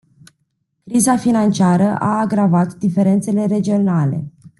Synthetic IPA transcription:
kɾizafinant͡ʃiaɾəʔaːɡɾavat̪d̪ife̞ɾe̞nt̪se̞le̞ɾe̞d͡ʒio̞nale̞̰

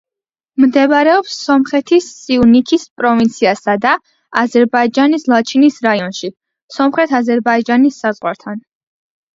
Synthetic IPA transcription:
md̪ɛbɾɛɔpsːɔmχɛt̪ʰisːiunikʰispʼɾɔvint̪sʰiasad̪a | azɛɾbaid͡ʒanislˠat͡ʃʰinisɾaiɔnʃi | sɔmχɾɛt̪ʰazɛɾbaid͡ʒanisːazʁwa̰ɾt̪ʰan

